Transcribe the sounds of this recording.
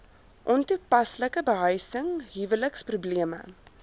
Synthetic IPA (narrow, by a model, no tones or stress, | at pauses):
ʔɔntupɐsləkəbəɦəjsəŋɦivələksprubliəmə̰